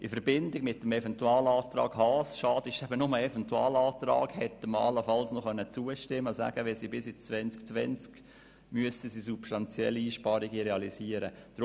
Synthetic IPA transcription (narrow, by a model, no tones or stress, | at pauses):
ʔifəɾbɪndɪɡ̥mɪtːəmɛfɛntuɑːlɑːft̪ɾɑ̰ːɡhɑːsʃɑːd̥ɪʃɛbənʊməɛfɛntuɑ̰ːlɑːt̪ɾɑ̰ːɡhɛt̪ːəməɑ̰ləfɑlsnɔχœnːət͡suəʃtɪmːəsæ̰ɡ̥əʋɛlsibɪsɪt͡sʋɛnt͡skt͡sʋɛnt͡sk | myəstəsisupstɑnt͡sjɛ̰lːiiːʃpɑɾiɡiɾeɑlisiəɾəd̥ɾ